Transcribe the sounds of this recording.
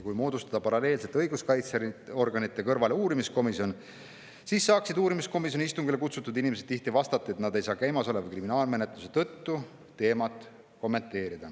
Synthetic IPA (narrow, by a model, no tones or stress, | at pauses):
kujmo̞ːd̪ust̪ɑ̥d̪̥ɑpɑɾɑle̞ːlse̞t̪ːeɤjɡ̥uskɑjt̪seo̞rɡ̥ɑnit̪ːˑe̞kɤrvɑle̞uːɾimisko̞miso̞n | siːsːɑːksid̪uːɾimisko̞mis̬joiist̪uŋɡ̥ile̞kut̪sut̪ːˑud̪inimes̬e̥t̪iht̪ivɑst̪ɑt̪ːˑɑe̞t̪nɑd̪e̞jsɑːkæjmɑso̞levɑjkriminɑːlme̞ne̞t̪luset̪ɤt̪ːu | t̪e̞ːmɑt̪ːˑ | ko̞mːe̞nt̪ːˑe̞ːɾid̪̥ɑ